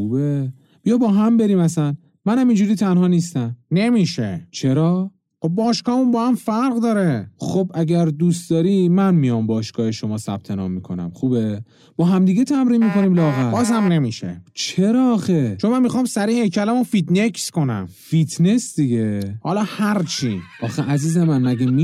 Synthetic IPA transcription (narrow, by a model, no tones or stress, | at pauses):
uːbe | bijɒbɒːɦæmbe̞ɾiːmæsæn | mænhæmind͡ʒuɾiːt̪ʰænhɒːniːst̪æmne̞miːʃḛt͡ʃʰeɾɒː | xob̚bɒːʃkɒːmunbɒːhæmfæɾɣd̪ɒːɾeχobʔæɟæɾd̪ust̪̚d̪ɒːɾiːmænmijɒmbɒːʃkɒːheʃo̞mɒːsæ̰b̥̚t̪ʰe̞nɒ̰ːmːikʰo̞næ̰mχuːbe̞ | b̥ɒːɦæmd̪iːɟet̪ʰæmɾiːnmiko̞niːmlɒːɣæbɒːzhæmne̞miʃḛt͡ʃʰeɾɒːxet͡ʃʰo̞nmænmixɒːmsæɾihejcʰælæmofid̪nekʰsko̞næ̰mfit̪ne̞sd̪iɟehɒlɒːhæɾt͡ʃʰiʔɒːxeʔæziːzemænmæɟemi